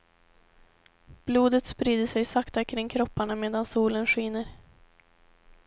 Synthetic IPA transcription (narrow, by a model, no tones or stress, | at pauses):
b̥luːd̪ət̪spɾiːd̪əʂɛjsakt̪akʰɾɪŋkʰɾɔpːaɳameːd̪ansuːlənɧɪːnəɾ